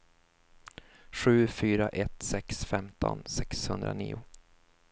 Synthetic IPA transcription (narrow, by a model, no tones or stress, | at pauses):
ɧʉ̟ːfyːɾaʔɛt̪sɛksfɛmt̪ʰɔ̰nsɛkshɵnd̪ɾaniːʊ